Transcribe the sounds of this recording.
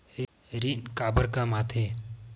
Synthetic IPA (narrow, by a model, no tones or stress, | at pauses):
ɾinkaːbəɾkamat̪ʰe